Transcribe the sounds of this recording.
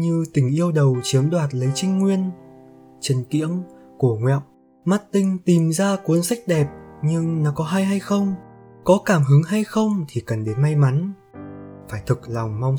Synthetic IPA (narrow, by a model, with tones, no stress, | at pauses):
ɲɨ˧t̪ï˧˩ŋ̟ʔi˧əwɗə˨˩wt͡ɕi˨˦əmɗwaː˨˩t̚lə˨˦jt͡ɕï˧ŋ̟ŋwi˧ən | t͡ɕə˨˧˩nkḭ˧˥əŋku˧˩əŋwɛ̰˧˨w | ma˦˥t̚t̪ï˧ŋ̟t̪i˨˩mzaː˧kwu˨˦ənsa˦˥jk̟̚ɗɛ˨˩p̚ɲɨ˧ŋnɔ˨˦kɔ˨˦ɦa˧jɦa˧jxə˧wŋ͡mkɔ˨˦kaː˧˩mɦɨ˨˦ŋɦa˧jxə˧wŋ͡mt̪ʰi˨˩kə˨˩nɗe˨˦nma˧jma˨˦n | faː˧˩jt̪ʰɨ˨˩k̚lɔ˨˩wŋ͡mma˧wŋ͡m